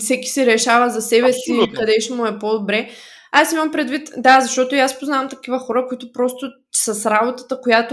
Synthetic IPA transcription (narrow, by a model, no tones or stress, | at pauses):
fsɛki̥sɛɾɛʃavəzɐsɛβɛsikɐd̪ɛʃmʊɛpod̪obɾɛ | asimɐmpɾɛd̪vit̪d̪azɐʃt̪ɔt̪ʊjaspoznavɐmt̪ɐkivəxɔɾəkoit̪ʊpɾɔst̪ʊ | sɐsɾabot̪ə̥t̪əkojat̪ʊ